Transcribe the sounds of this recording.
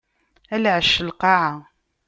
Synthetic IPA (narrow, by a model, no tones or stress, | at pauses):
ælʕəʃəlqɑʕa